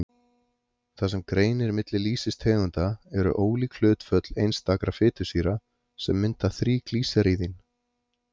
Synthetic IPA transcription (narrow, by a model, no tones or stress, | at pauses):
θas̬ɛmkɾeːjnɪɾmɪt̪lɪliːsɪst̪ʰhɛːɣʏnt̪aɛɾʏ̰ʔoːwlikʰl̥ʏːt̪fœt̪l̥ejnst̪aːkɾafɪːt̪ʏ̥siːɾa | sɛmːɪnt̪aθɾiːkliːsaɾiːðɪn